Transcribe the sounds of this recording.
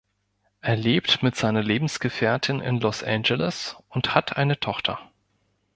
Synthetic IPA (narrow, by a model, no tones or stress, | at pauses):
ʔeːɐleːp̚tmɪtz̥aɪnɐleːbm̩sɡ̥əfɛːɐtʰɪnɪ̰nlɔsʔɛ̰nd͡ʒəlɪsʊnthatʰʔa̰ɪnətʰɔχtʰɐ